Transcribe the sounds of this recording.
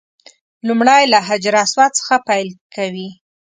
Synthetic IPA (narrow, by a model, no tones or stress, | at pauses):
lumɽajlaɦad͡ʒɾɑswat̪̚t͡sə̥xapajlkʰawi